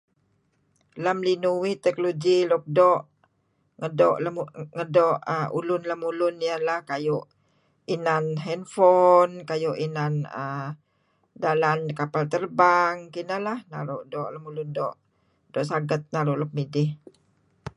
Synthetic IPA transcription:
lamlinuwit̪ɛkloɡilɔk̚dɔʔ | ŋədɔʔlaŋədɔʔəṵlʊnlamulʊnijəlahkajʊʔ | inanɦɛnfɔnkajʊʔinanə̰ | dalankapalt̪ərbaŋkinəlahna̰ɾʊʔdɔʔlamulʊndɔʔ | dɔʔsaɡət̪̚naɾʊʔlɔp̚midɪh

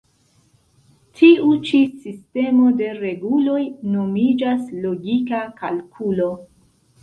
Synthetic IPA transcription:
tʰiut͡ʃisiste̞mo̞de̞ɾe̞ɡulo̞jno̞mid͡ʒaslo̞ɡikakalkʰulo̞

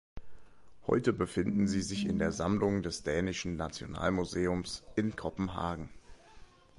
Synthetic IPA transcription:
hɔ̰ʏtəbəfɪndn̩ziːzɪçɪ̰ndeːɐzamlʊŋdɛsd̥ɛːnɪʃn̩nat͡sjo̰na̰ːlmuzeːʊmsʔɪnkʰɔpm̩ɦa̰ːɡŋ̩

